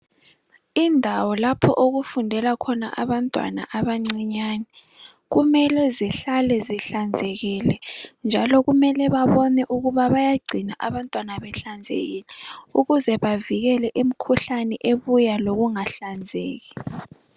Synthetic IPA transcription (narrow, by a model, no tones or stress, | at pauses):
indʱawɔlapʰɔ̰ʔoɣufundʱɛlakʰɔna̰ʔaβantʼwa̰na̰ʔaβaŋ͡ǀiɲaːnɛ | ɣumɛlɛziɬalɛziɬand͡zʱɛɣilɛnd͡ʒʱalɔɣumɛlɛβaβɔnɛʔuɣuβaβajaɡ͡ǀʱinaʔaβantʼwanaβɛɬand͡zʱḛɣilɛuɣuzɛβaviɣɛlɛʔem̩kʰuɬanɛʔeβujaloɣuŋaɬand͡zʱḛːɣi